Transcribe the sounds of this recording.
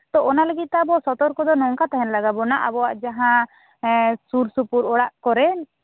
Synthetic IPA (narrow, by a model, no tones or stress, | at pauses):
t̪ɔɔnaləɡit̪̚ˀt̪ɛbɔsɔt̪ɔɾkɔd̪ɔnɔŋkat̪ɛɦɛnlaɡabɔnaʔabɔwaʔd͡ʒaɦã | suɾsupuɾɔɽaʔkɔɾɛn